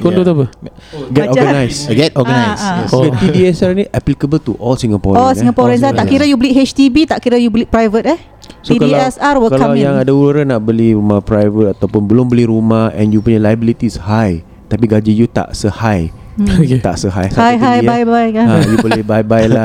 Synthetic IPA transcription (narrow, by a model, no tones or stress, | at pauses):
kondot̪apəɡɛɔɡənajsɡɛt̪̚ɔɡənajskəpidiɛsarniʔɛplikəbəlt̪uʔɔlsiŋapɔɾɔlsiiŋɡapɔɾɛnsat̪aʔkiɾəjubəliɦet͡ʃt̪ibit̪aʔkiɾəjubəlipɾajvət̪̚əh | sot̪ikaisarwəkaklaamjãŋadauluɾanaʔbəlihɾumahpɾajvət̪̚at̪awpʊnbəlʊmbəlihɾumahɛ̰̃njupuɲalajəbilit̪ishaj | t̪apiɡad͡ʒijut̪a̰ʔsəhaj | oket̪a̰ʔsəɦa̰jsaajɦajajbajkaajubəlibajbajla